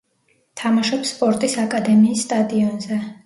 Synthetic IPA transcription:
t̪ʰamaʃɔpsːpʼɔɾt̪ʼisakʼad̪ɛmiːsːt̪ʼad̪iɔnzɛ

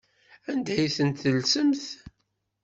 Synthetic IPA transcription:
ænd̪æjθənt̪θəlsəmθ

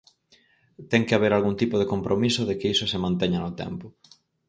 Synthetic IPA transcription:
t̪ɛŋkeaβ̞eɾalɣunt̪ipʊð̞ekompɾʔomisʊðekeisʊsemãnt̪ɛɲanʊt̪ɛ̰mpʊ

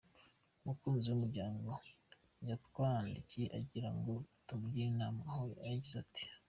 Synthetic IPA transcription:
umukuːnziwumuɾɟaːŋɡo̞ | ɲjatkwaːnḭciʔa̰ɟiɾaŋɡo̞tumuɡiinaːmahoajaɟizati̥

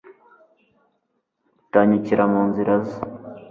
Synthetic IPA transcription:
utaɲiciɾamuːnziɾaza

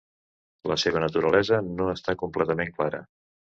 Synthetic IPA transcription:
ləseβ̞ənət̪uɾəlɛzənoəst̪akumplɛt̪əmeŋklaɾə̰

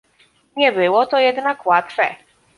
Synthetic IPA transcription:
ɲɛbɘwɔt̪ɔjɛd̪nakwat̪fɛ

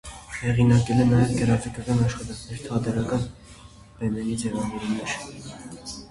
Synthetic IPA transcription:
hɛʁinɑkɛlɛnɑjɛvɡəɾɑt͡sɛkɑkɑnɑʃχɑt̪ɑŋkʰnɛɾt̪ʰɑd̪ɛɾɑkɑn | b̥ɛnɛɾid͡zɛvɑvɛɾumɛɾ

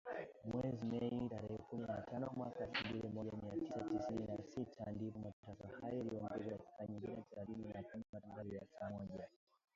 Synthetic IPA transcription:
mwɛzimɛitaɾɛhɛkuminatanɔmwakaɛfumbilimɔʄamiatisatisininasitʰandipɔmatutakahajɔɛliɔmɡɛzɔkaki̥kaɲiŋɡiniaθɛlaθininakumimatumtaliasamɔʄa

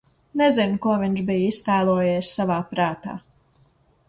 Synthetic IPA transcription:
nɛzinkuɔviɲʃbijist̪æːlˠuɔjeːssavaːpɾaːt̪a̰ː

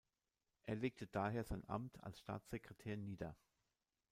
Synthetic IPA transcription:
ʔeːɐleːk̚tʰəd̥aːheːɐzaɪnʔa̰mtʰa̰lsʃta̰ːt͡sz̥ekʁ̥etʰeːɐniːdɐ

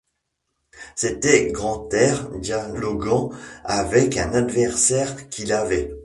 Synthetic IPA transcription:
set̪ɛɡʁɑ̃t̪ɛʁd̪jalɔɡɑ̃avɛkɛ̃nad̪vɛʁsɛʁkʰilavɛ

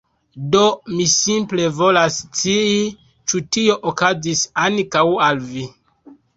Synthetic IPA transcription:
do̞misimple̞vo̞last͡sii | t͡ʃutio̞ʔokazisankawalvi

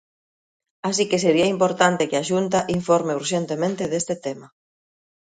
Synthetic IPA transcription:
as̬ikeseɾiɐimpoɾt̪ant̪ɪkɪaʃunt̪aʔiɱfoɾmeuɾʃent̪emẽnt̪ɪðest̪et̪ema

